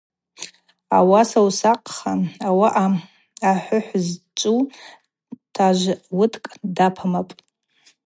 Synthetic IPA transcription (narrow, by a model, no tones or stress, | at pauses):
awasawsaqʼχaawaʔː | ħʷʊħʷzt͡ʃʷʼu | tʰaʒʷwʊtʰkʼdapʰamapʼ